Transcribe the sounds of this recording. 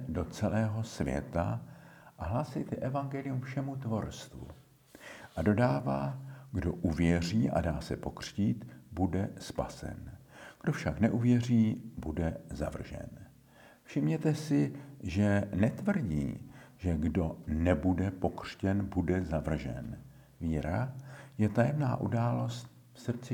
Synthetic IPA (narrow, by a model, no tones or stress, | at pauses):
do̞t͡sɛlɛːɦo̞svjɛ̰t̪aʔaɦlaːsɪjt̪ɛʔɛvaŋɡɛlɪjumfʃɛmut̪vo̞ɾst̪vṵ | ʔado̞daːvaːɡdo̞ʔuvjɛr̝iːʔa̰daːsɛpo̞kr̝̥ciːt̪budɛspa̰sɛ̰nɡ̥do̞fʃaknɛʔuvjɛriːbudɛzavr̩ʒɛ̰n | fʃɪmɲɛt̪ɛsɪʒɛnɛt̪vr̩ɟḭːʒɛɡdo̞nɛbudɛpo̞kr̥cɛnbudɛzavr̩ʒɛ̰n | viːɾajɛt̪ajɛmna̰ːʔudaːlo̞st̪̚ | fsr̩t͡sɪ